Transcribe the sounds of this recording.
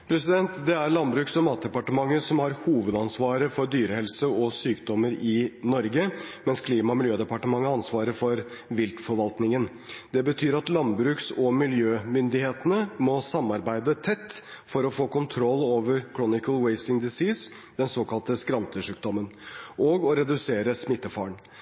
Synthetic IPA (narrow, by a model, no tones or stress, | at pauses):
pʰɾɛsɪd̪ɛnt̪d̪ɛæɾɭɑnbɾʉːksɔmɑːt̪̚d̪ɛpɑʈəmɑŋːəsɔmhɑɾhuːʋəd̪ɑnsʋɑːɾəfɔɾɖ̪yːɾəhɛlsəɔsyːkd̪ɔmːəɾɪnɔɾɡəmɛnskʰliːmɑɔmɪljøːd̪ɛpɑʈəmɑŋːəɑnsʋɑːɾəɾfɔɾʋɪlt̪fɔɾʋɑlt̪nɪŋən | d̪̥ɛbət̪ʰyːɾɑt̪lɑnbɾʉːksɔmɪljøːmʏnd̪ɪheːt̪ənəmɔsɑmːɑɾbæɪd̪ət̪ʰɛt̪ː | fɔɾɔfoːkʊnt̪ʰɾɔlːoːʋəɾkʰɾunɪkəlweɪst̪ɪŋd̪ɪsiːs | d̪̥ɛnsoːkɑlt̪əskɾɑnt̪əʂʉːk̚d̪ɔmːənʔɔɡɔɾɛd̪ʉseːɾəsmɪt̪ːəfɑːɳ